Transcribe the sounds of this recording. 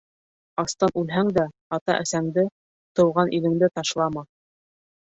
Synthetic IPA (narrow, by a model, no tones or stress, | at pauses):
ɑst̪ɑnʔʉlɦæŋd̪æ | ɑt̪ɑʔæsæŋd̪ɘ | t̪ɤ̆wʁɑnʔilɘ̆ŋd̪ɘt̪ɑʃlˠɑmɑ